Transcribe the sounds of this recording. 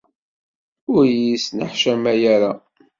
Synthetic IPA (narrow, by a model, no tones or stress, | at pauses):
ʊɾjisnəħʃæmæjæɾa